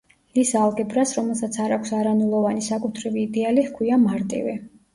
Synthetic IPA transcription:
isalˠɡɛbɾasɾɔmɛlˠsat̪sʰaɾakʰsaɾanulˠɔvanisakʼut̪ʰɾɛviːd̪ɛalihkʰwiamaɾt̪ʼḭvɛ

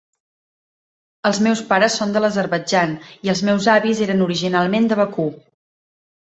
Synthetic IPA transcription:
əlˠzmɛwspaɾəsːond̪ələzəɾβəd͡ʒaniəlˠzmɛwzaβizeɾənuɾiʒinalˠmend̪əβəku

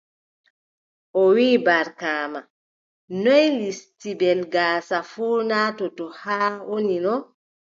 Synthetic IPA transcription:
ʔɔwiːbaɾkaːma | nɔjlistibɛlɡaːsafuːnatɔtɔhaːwoninɔ

